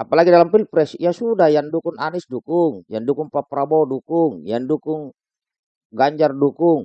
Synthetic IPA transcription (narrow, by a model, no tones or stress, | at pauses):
ʔapalaɡidalampilpɾɛsijasudahjandukʊŋanɪsdukʊŋjandukʊŋpapɾabɔdukʊŋjandukʊŋ | ɡaɲd͡ʒardukʊŋ